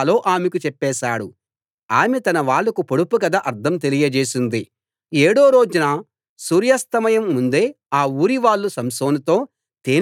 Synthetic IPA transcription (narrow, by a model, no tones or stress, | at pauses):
lo̞ːʔaːmekut͡ʃɛpːɛːʃaːɽu | aːmet̪ɐnɐʋaːɭːɐkupoɽupukɐd̪aʔɐɾd̪ʰɐmt̪̬elijɐd͡ʒeːsind̪i | eːɽoːɾo̞ːd͡ʒunɐ | suːɾjɐst̪ɐmɐjɐmːund̪e̞ː | aːuːɾiʋaːɭːusɐmso̞ːnut̪o̞ː | t̪eː